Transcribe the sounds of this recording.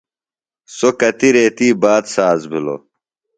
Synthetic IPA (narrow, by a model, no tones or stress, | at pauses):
sokɐt̪iɾeːt̪iːbaːt̪saːzbʱilo̰